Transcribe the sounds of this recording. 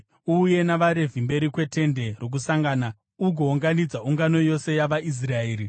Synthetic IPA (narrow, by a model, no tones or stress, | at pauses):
uje̞naʋaɾe̞vʱimbe̞ɾikwe̞te̞nde̞rok̬usaŋɡaːna | uɡʱoːŋɡanid͡zaʔuŋɡano̞jo̞sejaʋaʔis̬raeːɾi